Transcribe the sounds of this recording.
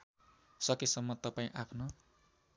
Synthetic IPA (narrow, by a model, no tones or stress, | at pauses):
sʌkesʌmːʌt̪ʌpaĩʔapʰnʌ